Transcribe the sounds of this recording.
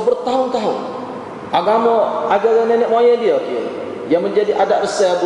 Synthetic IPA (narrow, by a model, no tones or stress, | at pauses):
bərt̪aɦʊnt̪aɦʊn | ʔaɡamɔaɡaɡnɛnɛʔ̚majadiaki | jaŋməɲd͡ʒadiʔadaʔrəsɛb